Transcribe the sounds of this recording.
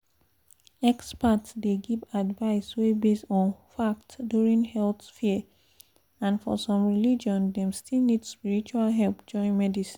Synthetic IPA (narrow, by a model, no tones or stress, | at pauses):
ɛkspatsdeɡivadvaɪswebestɔ̃nfaktduɹĩŋhɛlθfiə | ãnfɔ̰sɔ̃mɹilid͡ʒɔ̃ndɛ̃mstʰilnidspiɹit͡ʃualɦɛlpd͡ʒɔ̃ɪ̃nmɛdisĩ̥n